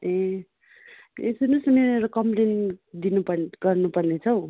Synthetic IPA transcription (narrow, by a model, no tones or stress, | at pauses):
ẽ | esunusʌmeɾʌkʌmplend̪inupʌɡʌrnupʌrnet͡sʰʌw̃